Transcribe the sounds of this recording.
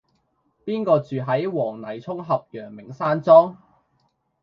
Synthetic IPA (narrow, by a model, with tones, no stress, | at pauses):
piː˥nkɔː˧t͡syː˨ɦɐ˨˥jwɔː˨˩ŋnɐ˨˩jt͡sʰʊ˥ŋɦɐ˨p̚jœː˨˩ŋmɪ˨˩ŋsaː˥nt͡sɔː˥ŋ